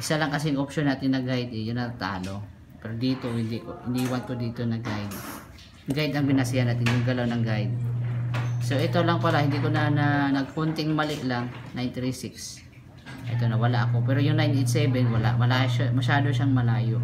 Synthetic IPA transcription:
ʔɪsalaŋkɐs̬ɛjŋopʃonaːt̪ɪnːɐɡajd̪ɛjʊnɐt̪a̰ːno | pɛɾod̪iːt̪ohɪnd̪ikoɪniːwɐnk̪od̪iːt̪onɐɡajd̪ | ŋɡajd̪ɐŋbɪnasɪjanaːt̪ɪnjʊŋɡɐlawnɐŋɡajd̪̚ | sowʔɛt̪olaŋpɐlahɪnd̪ikonananɐɡ̚kont̪ɪŋmɐlɪʔlaŋnajnt̪ɾisɪks | ʔɐ̰jt̪onɐwɐlaʔɐko̞pɛːɾojʊŋnajnejt̪sɛbɛnwɐla̰ʔmɐlaːjoʃamɐʃaːd̪oʃaŋmɐlaːjoʔ

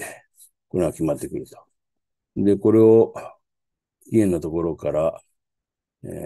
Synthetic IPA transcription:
ko̞ɾeɡakʲimat̪ːe̞kɯ̟ɾɯ̟t̪o̥ | d̪e̞ko̞ɾe̞o | iẽ̞nːat̪o̞ko̞ɾo̞kaɾa | ḛ

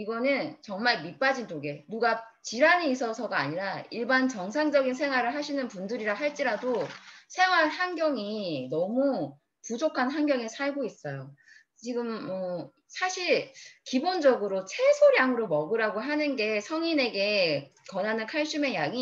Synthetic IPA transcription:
iɡʌnɯnt͡ɕʌŋmaɭmip͈ad͡ʑint͡ɕoɡe̞nuɡa | t͡ɕiɾaneis͈ʰʌsʰʌɡa̰ːɲiɾaiɭbant͡ɕʌŋsʰaŋd͡ʑʌɡinsʰe̞ŋwaɾɯɭɦaɕʰinɯnpundɯɾiɾaɦaɭt͡ɕ͈iɾadosʰe̞ŋwaɭhanɡjʌŋinʌmu | pud͡ʑokʰanɦanɡjʌŋesʰaɭɡois͈ʌjo | t͡ɕiɡɯmːʌ | sʰaɕʰiɭkibond͡ʑʌɡɯɾot͡ɕʰe̞sʰoɾjaŋɯɾomʌɡɯɾaɡoɦanɯnɡe̞sʰʌŋine̞ɡe̞kʌnanɯnkʰaɭɕ͈ʰime̞jaŋi

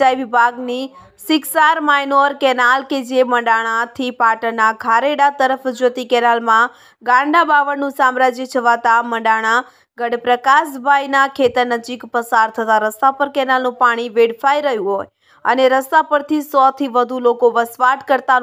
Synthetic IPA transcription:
ajʋɪbʱaɡni | sɪksaɾmajnoɾkɛnalked͡ʒeməɳɖaɽ̃ãt̪ʰipaʈənːaɡʰʱaɾeɽat̪əɾəfd͡ʒot̪ikɛnalmã | ɡãɳɖabaʋənnũsamɾad͡ʒət͡ʃʰəʋat̪aməɖaɽ̃ã | ɡəɽpɾəkasbʱajnakʰet̪əɾnəd͡ʒikpəsaɾt̪ʰət̪aɾəst̪apəɾkɛnalnũpaɽ̃iʋeɽfajɾəɦjũɦoj | əneɾəst̪apəɾt̪ʰisɔt̪ʰiʋəd̪ʱulokoʋəsʋaʈkəɾt̪a

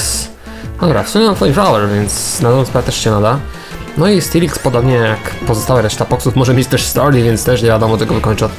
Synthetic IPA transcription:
s | nd̪ɔbɾafsumʲjɛmamt̪fɔjiflawɛɾvʲjɛnt̪snad̪ɔmaspɾavɛt̪ɛʂɕɛnad̪a | nɔist̪ilʲikspɔd̪ɔbɲɛjakpɔzɔst̪awɛɾɛʂt̪apɔksufmɔʐɛmʲjet͡ɕt̪ɛʂst̪ɔɾʲivjɛnt̪st̪ɛʂɲɛvʲad̪ɔmɔt̪ɛɡɔvɨkɔɲt͡ʂ

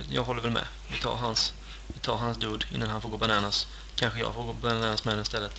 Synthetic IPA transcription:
jɑ̰ːɡɦɔlːəɾvɛlmɛ̰ | vɪt̪ʰɑ̰ːɾɦans | vɪt̪ʰɑːɾɦans̬d̪uːd̪ɪ̰nːanhanfoːɾɡoːbanɑːnas | kʰanɧəjɑ̰ːɡfoːɡoːbannaːnasmɛɛnɪst̪ɛlːət̪

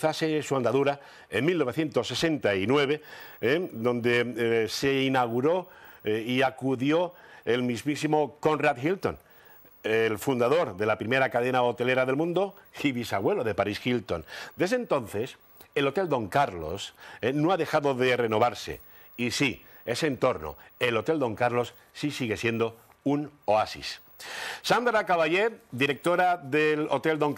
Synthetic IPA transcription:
θasesuand̪aðuɾa | enmilnoβe̞θje̞nt̪o̞sːe̞sẽ̞nt̪ainwe̞β̞e̞ed̪õ̞nd̪e̞se̞inaɣ̞uɾo̞ | iakuðjo̞e̞lmizmisimo̞ko̞nrat̪xilt̪o̞̰n | lfund̪aðo̞ɾðe̞lapɾime̞ɾakaðe̞naot̪e̞le̞ɾaðelmũnd̪o̞iβisaɣwe̞loðe̞paɾisxilt̪o̞̰nd̪e̞zðent̪o̞nθe̞s | elo̞t̪e̞ld̪o̞ŋkaɾlo̞̰senoaðe̞xaðo̞ðe̞re̞no̞β̞aɾse̞̰ | isi | e̞sent̪o̞ɾno̞̰e̞lo̞t̪e̞ld̪o̞ŋkaɾlo̞sːisiɣe̞sje̞nd̪o̞ | unoasḭs | sand̪ɾakaβaʎe̞ɾd̪iɾe̞k̚t̪o̞ɾaðelo̞̰t̪e̞ld̪o̞ŋ

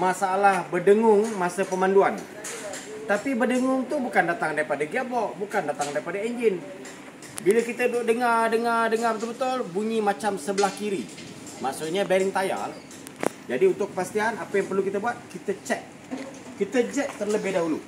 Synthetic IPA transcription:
masaːlahbədəŋʊŋmasəpəmanduan | t̪apibədəŋʊŋt̪ʊbukandat̪aŋdaɾipadaɡabɔʔbukandat̪aŋdaɾipadaeɲd͡ʒɪn | bilakit̪ədʊdəŋardəŋardəŋart̪ərbət̪ʊlbuɲimat͡ʃamsəbəlahkiɾi | maksʊt̪̚ɲabaɾɪŋt̪aja̰l | d͡ʒadiunt̪ʊkːəfast̪iɦanapajaŋpərlukit̪abuat̪̚kit̪ət͡ʃɛʔ̚ | kit̪əd͡ʒɛʔt̪ərləbɪhdaɦulu

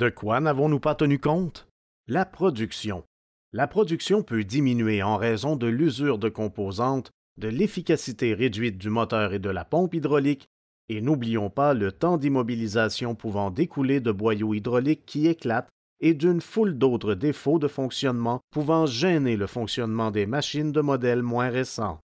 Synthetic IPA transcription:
d̪̥əkwanavɔ̃nupat̪ənykɔ̃t̪ | lapχɔd̪yksjɔ̰̃ | lapχɔd̪yksjɔ̃pød̪iminyɥeɑ̃ʁɛzɔ̃d̪əlyzyʁd̪əkɔ̃pozɑ̃t̪ | d̪əlefikʲasit̪eʁed̪ɥit̪̚d̪ymɔt̪œːʁed̪əla̰pɔ̃pid̪ʁɔlik | enublijɔ̃palət̪ɑ̃d̪imɔbilizasjɔ̃puvɑ̃d̪ekʰuled̪əbwajoid̪ʁɔlikʰːieklat̪ | ed̪ynfuld̪ot̪χəd̪efod̪əfɔ̃ksjɔnmɑ̃puvɑ̃ʒɛneləfɔ̃ksjɔnmɑ̃d̪ɛmaʃind̪əmɔd̪ɛlmwɛ̃ʁesɑ̰̃

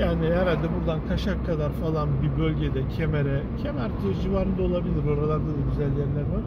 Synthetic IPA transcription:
jaːniɦeɾalʲd̪ɛbuɾd̪ank̪ʰaʃakʰːad̪aɾfalˠanbibølʲɟed̪ɛcʰemeɾɛcʰemæɾt̪ʰid͡ʒivaɾɯnd̪aolˠabilʲiɾo̞ɾalˠaɾd̪ad̪ɯɾyzælʲːinʲæɾna

